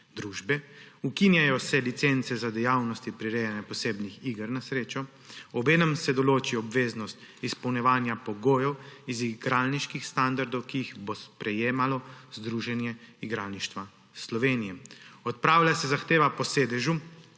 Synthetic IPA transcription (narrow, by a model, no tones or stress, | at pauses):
d̪ɾuːʒbɛukinjajɔsɛlit̪sent̪sɛzad̪ɛjawnɔst̪ipɾiɾejanjɛpɔseːbnixiɡəɾnasɾeːt͡ʃɔ | ɔbeːnɛmsɛd̪ɔloːt͡ʃiɔbʋeːznɔst̪ | ispɔwnjɛʋaːnjapɔɡoːjɛwiziɡɾaːlniʃkixst̪and̪aɾd̪ɔwkijiɣbospɾɛjeːmalɔzd̪ɾuːʒɛnjɛiɡɾalniʃt̪ʋa | slɔʋeːnijɛmɔt̪̚pɾaːwlʲjasɛzaxt̪eːʋapɔseːd̪ɛʒu